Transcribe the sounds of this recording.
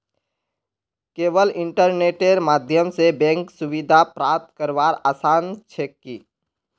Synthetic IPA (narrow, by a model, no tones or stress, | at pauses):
keːʋəlɪ̃ɳʈəɾneːʈeɾmaːd̪ʱjəmsebɛ̃ːŋksʊʋid̪ʱapɾaːp̚t̪kəɾʋaːɾaːsaːnt͡ʃʰeːkːiː